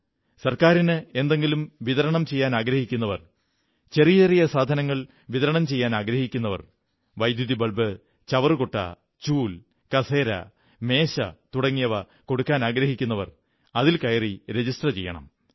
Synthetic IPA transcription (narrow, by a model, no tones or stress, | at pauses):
sɐrkaːɾinɨe̞nd̪e̞ŋɡilumʋiðɐɾɐɳɐmt͡ɕe̞jːaːnaːɡɾɐhikʲːunːɐʋɐr | t͡ɕe̞rijɐerijɐsaːd̪ʱɐnɐŋːɐɭ | ʋiðɐɾɐɳɐmt͡ɕe̞jːaːnaːɡɾɐhikʲːunːɐʋɐ̰r | ʋɐjd̪juðibɐɭbɨ | t͡ɕɐʋɐrkoʈːɐ̰ | t͡ɕuːl | kɐse̞ːɾɐ̰ | me̞ːɕɐt̪uɽɐŋːijɐʋɐ | ko̞ɽukːaːnaːɡɾɐɦikʲːunːɐʋɐ̰r | ɐðilkɐjɐriɾe̞d͡ʑisʈrɐt͡ɕe̞jːɐ̰ɳɐ̰m